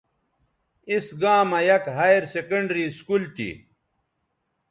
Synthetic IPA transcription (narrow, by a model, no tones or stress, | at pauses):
isɡãːmɐjɐkɦajeɾsekɐɳɖɾiskult̪ḭ